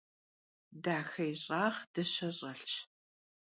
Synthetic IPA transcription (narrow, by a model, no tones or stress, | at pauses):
daːxɐjɕʼaːχd̥ɐɕɐɕʼɐɬt͡ʃ